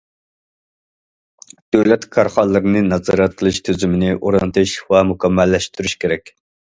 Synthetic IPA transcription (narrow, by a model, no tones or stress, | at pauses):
d̪̥øwlɛt̪kʰɑɾχɑlːˠɨɾɨnɨnɑzɑɾɑt̪̚qʰəlˠɨʃt̪ʰøzymɪnɪʔoɾɑnt̪ʰɨʃwɛmukʰʲɛmːɛlːɛʃt̪yɾyʃkʲeɾɛkʲ